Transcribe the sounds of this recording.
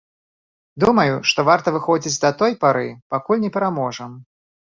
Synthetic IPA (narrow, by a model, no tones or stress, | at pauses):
d̪umɐjuʂt̪ɔvart̪ɐvɨxɔd͡zʲit͡sʲd̪ɐt̪ɔjpaɾɨpakulʲnʲɛpʲɛɾamɔʐɐm